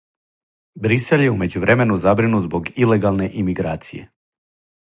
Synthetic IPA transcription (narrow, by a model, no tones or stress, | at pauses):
bɾise̞ljeume̞d͡ʑuʋɾʔeme̞nuzabɾinuzbo̞ɡile̞ɡalˠne̞ʔimiɡɾaːt̪sije̞̰